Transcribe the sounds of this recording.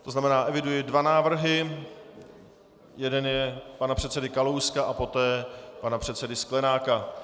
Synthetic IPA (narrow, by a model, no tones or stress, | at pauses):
t̪o̞znamɛnaːʔɛvɪdujɪdvanaːvr̩ɦɪ | jɛdɛnjɛpanapr̝̥ɛt̪sɛdɪkalowskaʔapo̞t̪ɛːpanapr̝̥ɛt̪sɛdɪsklɛnaːka